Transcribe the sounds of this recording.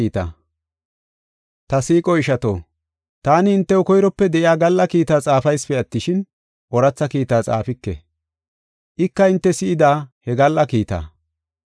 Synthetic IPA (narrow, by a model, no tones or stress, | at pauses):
iːt̪a̰ | t̪ɐsiːkʼɔɪʃɐt̪o̰ː | t̪aːnɪɪnt̪ːɛʊkɔjɾɔpːɛd̪ɛʔɪjaːɡɐlːɐkiːt̪aːt͡sʼaːfɐjspɛɐt̪ːɪʃɪn | ʔɔɾɐt͡sːɐkiːt̪aːt͡sʼa̰ːfɪkːɛ̰ | ʔɪkːɐɪnt̪ːɛsɪɪd̪aːhɛɡɐlːɐkiːt̪a̰ː